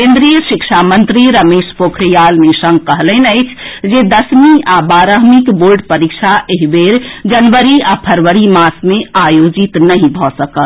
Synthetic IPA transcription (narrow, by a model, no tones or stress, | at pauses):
kẽnd̪ɾijəʃikʃʰamənt̪ɾiɾəmeʃpokʰɾijalmesə̃ŋɡ̚kəɦlɛnəɪt͡ʃʰd͡ʒed̪əsmiabaɾəɦmikboɾɖpəɾikt͡ʃʰaʔeɦibeɾd͡ʒənʋəɾiapʰəɾʋəɾimasmeajod͡ʒit̪nəɦĩbʱɔsəkəl